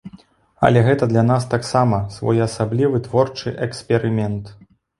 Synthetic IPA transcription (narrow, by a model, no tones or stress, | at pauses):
ɐ̰lʲɛɣɛt̪ɐd̪lʲanas̬t̪aksamɐsvɔ̰jɐsablʲivɨt̪vɔrt͡ʂɨʔɛkspʲɛɾɨmʲɛnt̪